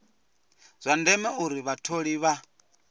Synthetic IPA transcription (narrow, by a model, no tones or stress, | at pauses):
z̥ʷandɛmɛuɾiβatʰoɺiβa